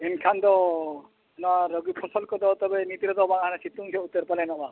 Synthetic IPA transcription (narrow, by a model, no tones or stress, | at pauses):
enkʰand̪ɔ | nɔwaɾɔɡipʰɔsɔlkɔd̪ɔt̪ɔbenit̪iɾɔd̪ɔbaŋaanasit̪uŋsʰɔut̪ːɔɾpalɛnɔba